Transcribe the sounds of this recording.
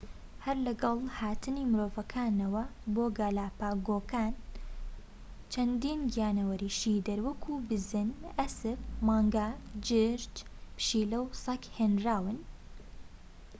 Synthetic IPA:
hɐɾlɐɡɐlˠhaːt̪ɨniːmɨɾoːvɐkʰaːnɐwɐboːɡaːlaːpaːɡoːkaːn | t͡ʃʰɐnd̪iːnɡijaːnɐwɐɾiːʃiːd̪ɐɾwɐkʰuːbɨzɨnɐsɨbmɑːŋɡaːd͡ʒɨɾt͡ʃpʃiːlɐwsɐkheːnɾaːwɨn

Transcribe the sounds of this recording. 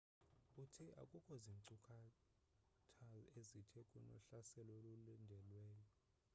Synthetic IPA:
utʰiʔa̰kʼukʼʰɔzinǀukʰa | tʰalezitʰɛkʼunɔ̰ɬasɛlolulindʱɛlwɛːjɔ

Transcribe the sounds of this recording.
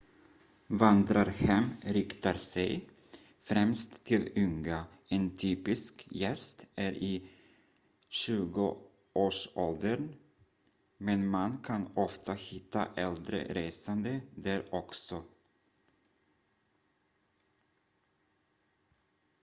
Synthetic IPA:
vand̪ɾaɾhɛmɾɪkt̪aɾsɛj | fɾɛmst̪ʰːɪlʏŋɡa | ɛnt̪ʰyːpɪskjɛst̪æɾɪ | ɕʉ̟ːɡʊ | ʔoːʂɔld̪əɳ | mɛnmankʰanɔft̪ʰahɪt̪ʰːa̰ʔɛld̪ɾə̰ɾeːsand̪əd̪æːɾɔksɔ

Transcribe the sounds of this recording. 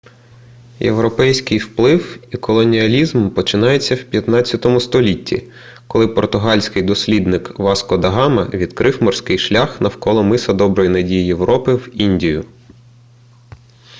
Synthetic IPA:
jḛwɾɔpɛjsʲkɪjwplˠɪwikɔlˠɔnʲiɐlʲizmpɔt͡ʃɪnɑjet͡sʲːɐwpʲjɐt̪nɑt͡sʲjɐt̪ɔmʊst̪ɔlʲitʲːḭ | kɔlˠɪpɔrt̪ʊɦɑlʲsʲkɪjd̪ɔsʲlʲid̪nɪkʋɑskɔd̪ɐɦɑmɐ̰ʋʲid̪kɾʔɪwmɔrsʲkɪjʃlʲaxnɐwkɔlˠɔmɪsɐd̪ɔbɾɔjinɐdʲijije̞wɾɔpɪwinʲdʲijʊ

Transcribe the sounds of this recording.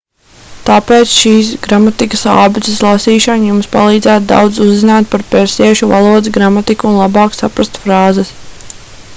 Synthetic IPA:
t̪aːpeːt̪sʃiːs̬ɡɾamat̪ikɐ̥saːbit̪ɪslˠasiːʃanjumspa̰lˠiːd̪zæːt̪̚d̪a̰wd̪zuzzːinaːt̪̚paɾpɛɾsiɛʃuva̰lˠuɔd̪zɡɾamat̪ikːnlˠabɑːksapɾast̪fɾaːzɛs

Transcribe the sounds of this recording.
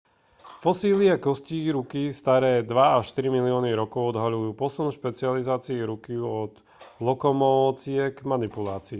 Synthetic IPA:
fɔsiːliakɔsciɾukist̪aɾɛːd̪ʋaaʃt̪iɾimiliɔːniɾɔkɔʊɔd̪ɦaʎujuːpɔsunʃpɛt͡siɪalizaːt͡siːɾukiuɔd̪ | lɔkɔmɔɔːt͡sɪɛɡmanipulaːt͡siː

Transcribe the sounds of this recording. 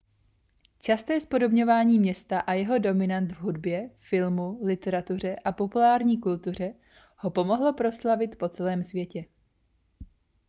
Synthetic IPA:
t͡ʃast̪ɛːspo̞do̞bɲo̞vaːɲiːmɲɛst̪aʔajɛɦo̞do̞mɪnant̪vɦudbjɛfɪlmulɪt̪ɛɾat̪ur̝ɛʔapo̞pulaːɾɲiːkult̪ur̝ɛ | ho̞po̞mo̞ɦlo̞pɾo̞slavɪt̪po̞t͡sɛlɛːmsvjɛcɛ

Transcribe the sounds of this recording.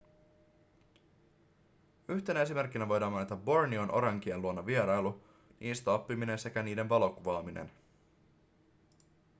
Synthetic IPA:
yçt̪e̞næe̞sime̞rk̟ːinæʋo̞jdɑːmɑnet̪ɑbbo̞rnionʔoɾɑŋk̟ieluonːɑʋieɾɑjlu | nʔiːst̪æɑpːimine̞nse̞kæniːde̞nʋɑlo̞kuʋɑːminḛn

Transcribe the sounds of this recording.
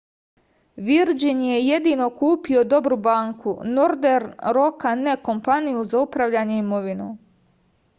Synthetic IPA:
ʋiɾd͡ʒinje̞je̞d̪ino̞kuːpio̞d̪o̞bɾubaːŋkʰunoɾd̪eɾɾo̞kaneko̞mpanijuzaupɾaʋʎaːɲe̞imoʋinu

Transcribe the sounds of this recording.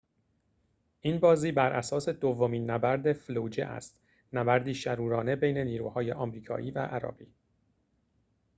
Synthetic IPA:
ʔiːnbɒːziːbæɾʔæ̰sɒːse̞d̪ovːomiːnːæbæɾd̪eflud͡ʒḛʔæ̰st̪ | næbæɾd̪iːʃæɾuːɾɒːne̞bejne̞niːɾṵːhɒːjeʔɒːmɾiːkʰɒ̰ːʔiːvæ̰ʔæɾɒ̰ːɡiː

